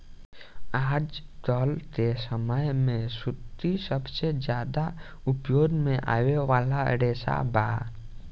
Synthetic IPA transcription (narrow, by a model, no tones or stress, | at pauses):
aːd͡ʒt̪ɔːlk̪esəməjmẽsʊt̪ːisəbsed͡ʒjaːd̪a | ʊpjoːd̪mẽʔa̰ːweʋaːlaə̰ɽeːsa̰baː